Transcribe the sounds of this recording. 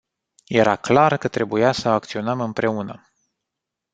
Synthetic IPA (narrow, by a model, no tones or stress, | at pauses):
je̞ɾaklarkət̪ɾe̞bujasəak̚t̪sio̞nəmɨmpɾe̞unə